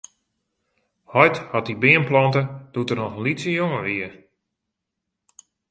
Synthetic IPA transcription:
hɔjthɔt̚ibɪənplɔntəd̥utərnɔxlisəjoŋəʋiə

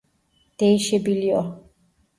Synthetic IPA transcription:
t̪ejʃebilio

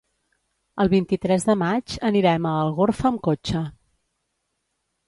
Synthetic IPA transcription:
əlˠβint̪it̪ɾɛzðəmad͡ʒəniɾɛməəlˠɣorfəːmkot͡ʃə

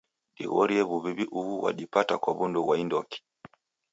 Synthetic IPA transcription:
ɗḭɣɔɾiɛβuβiβiʔuuwa̰ɗipatakwaβundɔwaindɔki̥

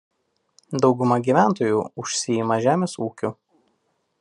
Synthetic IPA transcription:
d̪ɒʊɡʊmɐɡʲiːˑʋʲæˑnt̪oːjuːʊʃʲsʲɪjimɐʒʲæːmʲeːsuːkʲu

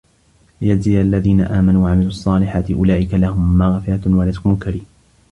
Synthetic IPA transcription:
jaziːʔalːaðiːna̰ʔaːmanuːwaʕamɪluːʔɑsˤːɑːlɪħaːt̪ɪʔʊlaːʔɪkalahʊmːaɣfɪɾat̪walat̪kʊmʊlkaɾiːm

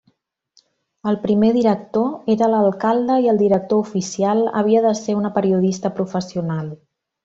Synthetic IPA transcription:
əlˠpɾimeðiɾək̚t̪oeɾələlˠkalˠd̪əiəlˠd̪iɾək̚t̪oufisialˠə̰β̞iəðəseunəpəɾiuð̞ist̪əpɾufəsiunalˠ

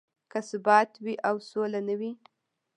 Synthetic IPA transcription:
kasʊbɑt̪wiʔawsolanəwi

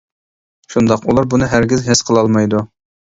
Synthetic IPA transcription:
ʃund̪ɑqulˠɑɾbunɨɦæɾɡʲizɦɪsqʰəlˠɑlˠmɑjd̪u

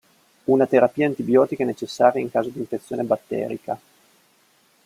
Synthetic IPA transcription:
unat̪eɾapiːant̪ibjɔːt̪ikenet͡ʃesːaːɾjaiŋkaːzod̪iɱfet̪sːjoːnebat̪ːɛ̰ːɾḭka

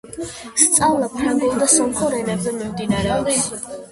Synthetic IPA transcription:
st̪sʼavlapʰɾaŋɡɔlˠd̪asɔmχɔɾɛnɛbzɛmimd̪inaɾɛɔd̪

